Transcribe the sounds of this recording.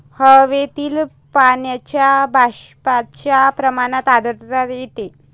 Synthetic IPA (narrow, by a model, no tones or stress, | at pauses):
həʋet̪iːl | paɳjat͡ɕjabʱaɕpat͡ɕjapɾəmañat̪ad̪əɾɾat̪jet̪e